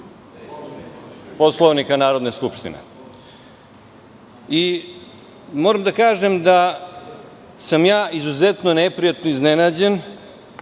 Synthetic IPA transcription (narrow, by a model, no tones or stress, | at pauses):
po̞slˠoʋnikanaːɾod̪neskupʃt̪ḭnḛ | i | moːɾamd̪akaːʒemd̪a | samjaːizuzet̪no̞nepɾijat̪noiznenaːd͡ʑe̞n